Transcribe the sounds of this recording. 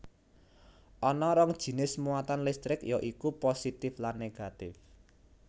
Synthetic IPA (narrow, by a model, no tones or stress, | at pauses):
ʔɔnɔɾɔŋd̥ʒ̥i̤nɪsmuat̪anlɪst̪ɾɪkjɔʔikuposit̪ɪflanːeɡ̥a̤t̪ɪf